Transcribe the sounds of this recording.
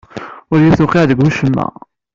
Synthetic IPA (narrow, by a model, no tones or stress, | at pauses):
ʊɾjɪθʊqiʕðəɡʷuʃəmːæ̰